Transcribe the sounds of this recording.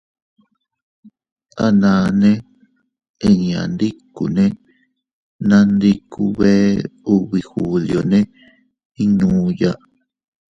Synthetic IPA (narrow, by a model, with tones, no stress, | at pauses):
a˦nãː˨˧nẽ˦ | e˧ɲã̰˨nd̪i˦kṵ˨nẽ˦ | nã˦nd̪i˧ku˧βeː˦u˧βi˧xu˨li˨o˨nẽ˦ | ĩ˦nũː˨˦ja˦ʔ